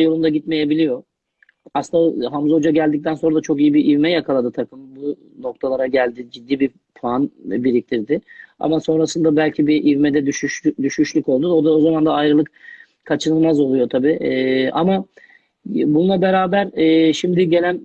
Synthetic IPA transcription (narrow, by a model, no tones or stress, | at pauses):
jo̞lˠund̪aɟit̪me̞je̞bilʲijo̞ | asnaɦamzo̞d͡ʒaɟælʲd̪ic̚t̪ʰænso̞nɾad̪at͡ʃʰo̞kijibiʔivmɛjakʰalˠad̪ɯt̪ʰakʰɯmbu | no̞k̚t̪ʰalˠaɾaɟælʲd̪id͡ʒid̪ːiːbi | pʰlˠanbiɾic̚t̪ʰiɾd̪ɪa̰maso̞nɾasɯnd̪abælʲcʰibiʔivmɛd̪ɛd̪ʃyʃd̪yʃyʃlʲyko̞lˠd̪ud̪aod̪ao̞zamand̪aːjɾɯlˠɯk̚ | kʰat͡ʃʰɯnɯlˠmazo̞lˠujo̞t̪ʰabiːʔa̰ma | bununˠabe̞ɾaːbæɾɛːʃimd̪ɪɟelʲæn